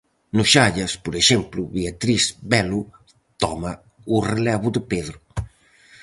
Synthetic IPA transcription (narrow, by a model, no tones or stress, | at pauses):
nuʃaʎɐspuɾeʃɛmpluβiat̪ɾizbɛlu | t̪ɔma | urelɛβud̪əpeðɾu